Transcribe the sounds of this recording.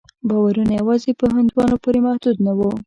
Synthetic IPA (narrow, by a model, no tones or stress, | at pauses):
bɑwaɾunajawɑzepəɦand̪wɑnopoɾemahd̪ud̪nawo